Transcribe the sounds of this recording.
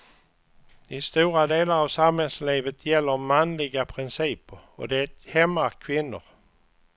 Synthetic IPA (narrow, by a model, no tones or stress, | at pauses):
ɪst̪uːɾad̪eːlaɾavsamhɛlsliːvət̪ʰjɛlːəɾmanlɪɡapʰɾɪnsiːpəɾɔ̰d̪ɛt̪hɛmːakʰvɪnːʊ̰ɾ